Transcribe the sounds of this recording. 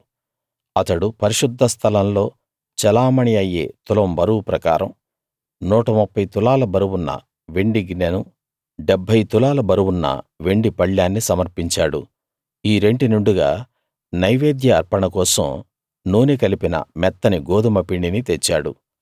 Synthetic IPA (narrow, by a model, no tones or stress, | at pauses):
ɐt̪ɐɽupɐɾiʂud̪ʱːɐst̪ʰɐlɐnlo̞ː | t͡ʃɛlaːmɐɳiɐjḛːt̪ulɐmbɐɾuwupɾɐkaːɾɐ̰m | nuːʈɐmupːɐjt̪ulaːlɐbɐɾuwunːɐ̰ | ʋeɳɖiɡinɐnu | ɖebʱːɐjt̪ulaːlɐbɐɾuwunːɐ̰ʋe̞ɳɖipɐɭːaːnːisɐmɐɾpiɲt͡ʃaːɽṵ | iːɾe̞ɳɖinuɳɖuɡa̰ː | nɐjʋeːd̪jɐːɾpɐɳɐkɔːsɐ̰m | nuːnikɐlipinɐ̰mɛt̪ːɐniɡoːd̪uɐmɐpiɳɖinit̪et͡ʃːaːɽṵ